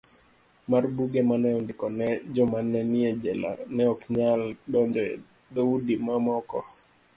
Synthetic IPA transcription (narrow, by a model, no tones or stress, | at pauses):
marbuɡemanɛɔndɪkɔnɛd͡ʒɔmanːɛnɪed͡ʒɛla̰nɛɔkɲaldɔndɔɛ | d̪oudimamɔkɔ